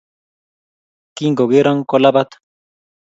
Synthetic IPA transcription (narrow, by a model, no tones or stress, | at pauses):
kiŋɡoɡiɾaŋkolabat̪